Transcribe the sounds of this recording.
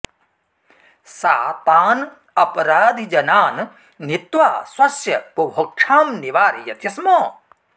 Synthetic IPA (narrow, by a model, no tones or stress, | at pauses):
sa̰ːt̪aːn | ɐpɐɾaːd̪ʱid͡ʒɐnaːn | nit̪ʋaːswɐsjɐpubʱok̚ʂʰaːmniʋaːɾijɐt̪jɐsmoː